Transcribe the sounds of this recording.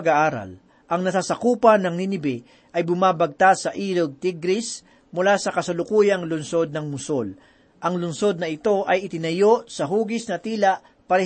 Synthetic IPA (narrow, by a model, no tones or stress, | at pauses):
ɡaʔaːɾɐ̰l | ʔɐŋnɐsaːsɐkuːpɐnɐŋninɪbɛ | ʔɐjbʊmaːbɐɡ̚t̪asɐʔiːloɡ̚t̪iɡɾɪs | mʊlasɐkɐsɐlʊkuːjɐŋlʊnso̞d̪̚nɐŋmʊsol | ʔɐŋlʊnso̞d̪nɐɪt̪o̞ʔɐjɪt̪ɪnɐjo̞ʔsɐɦuːɡɪsnɐt̪iːlɐʔ | pɐɾɐ